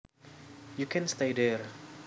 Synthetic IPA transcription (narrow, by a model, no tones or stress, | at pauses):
jukʰɛ̃nst̪edɛr